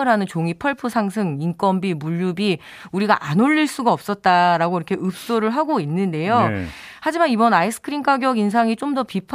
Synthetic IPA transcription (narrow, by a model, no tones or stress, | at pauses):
ɯɾɦanɯnt͡ɕoŋipʰʌɭpʰɯsʰaŋsʰɯŋink͈wʌmbimuʎːubi | uɾiɡaʔanoʎːiɭs͈uɡaʌp̚s͈ʌt̚t͈aɾaɡoiɾʌkʰe̞ʔɯp̚s͈oɾɯɭɦaɡoinːɯnde̞johad͡ʑimanibʌnaisʰɯ̥kʰɯɾink͈aɡjʌɡins̬ʰaŋit͡ɕ͈omdʌpipʰ